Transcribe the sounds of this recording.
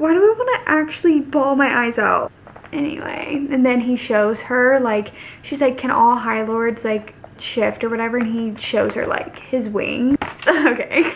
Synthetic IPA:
waɪɾɨaɪwɑ̃nɨʔæk̚t͡ʃul̩ˠibɔlˠmaɪʔaɪzʌ̰ʊpʔɛnḭwḛɪɨ̃nðɨ̃niʃoʊz̥ə˞laɪkʃizlaɪkʰːɨ̃ñɔlˠɦaɪlɔɹdz̥laɪkʃɪftə˞wʌɾɛvə˞ɨ̃niʃoʊz̥ə̰˞la̰ɪkhɪzwɪ̰̃ŋoʊkʰeɪ

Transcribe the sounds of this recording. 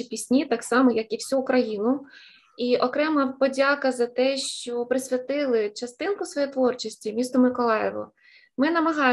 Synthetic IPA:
ipʲisʲnʲit̪ɑksɑmɔjɐkiwsʲuːkɾɐjinʊ | iɔkɾɛmɐpɔdʲɑkɐzɐt̪ɛʃt͡ʃt͡ʃɔpɾɪsʲʋʲɐt̪ɪlˠɪt͡ʃɐst̪ɪnkʊsʋɔjɛjt̪ʋɔrt͡ʃisʲtʲimʲist̪ɔmɪkɔlˠɑjɛʋɔ̰ | mɪnɐmɐɦɑ

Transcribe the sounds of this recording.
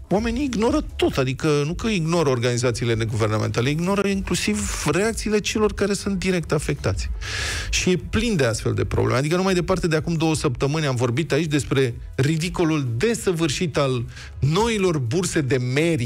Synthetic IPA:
wame̞niːɡno̞ɾət̪o̞t̪ad̪ikənukəiɡno̞ɾəo̞rɡanizat̪siːle̞ne̞ɡuve̞rnamḛnt̪ale̞iɡno̞ɾəiŋklusivre̞akt̪siːle̞t͡ʃe̞lo̞rkaɾe̞sunt̪̚d̪iɾe̞k̚t̪afe̞k̚t̪at̪sʲ | ʃije̞plind̪e̞ast̪fe̞̰ld̪e̞̰pɾo̰blḛmad̪ikənumajd̪e̞part̪e̞d̪eakumd̪o̞wəsəp̚t̪əmɨnʲamvo̞rbit̪ait͡ʃʲd̪espɾe̞ | rid̪iko̞luld̪e̞səvɨrʃit̪al | no̞ilo̞rburse̞d̪e̞me̞ɾi

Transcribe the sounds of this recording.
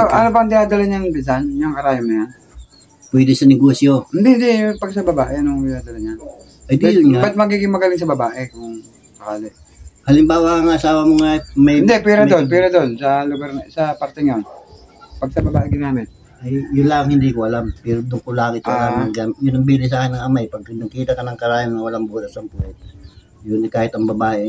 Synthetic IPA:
oʔɐnopɐŋd̪ɪhaːd̪alaɲanɪnpɪs̬anjʊŋkɐɾaːjamnɐjan | pwɛd̪ɪsɐnɛɡoːsjoɪnd̪hnd̪ɛjpɐɡsɐbɐbaːʔɛɐnoŋd̪ɪjaːd̪ɐlaɲan | ɐjd̪ɛabat̪̚mɐɡiːɡɪŋmɐɡɐlɪŋs̬ɐbɐbaːʔɛkʊŋ | sɐkaːlɛʔ | hɐlɪmbaːwaaŋaɐsaːwɐmoŋamɐɪnd̪ɛp̬ɛɾad̪onp̬ɛɾɐd̪onsɐloɡaɾsɐpɐɾt̪ɛɲjon | pɐɡ̚sɐbɐbaːʔekɪnaːmɪn | ʔɐjjʊnlaːŋhɪnd̪iːkoʔɐlampɛɾod̪ʊŋkolaːŋɪt̪alamɐɡanjʊnɐŋbiːlɪs̬aːkɪnɐŋɐmajpɐɡ̚nɐkiːt̪ɐkɐnɐŋkɐɾaːjannɐwɐlaŋbuːɾɐsɐŋpulɛt̪ | jʊnɐkaːhɪt̪ɐŋbɐbaːʔe

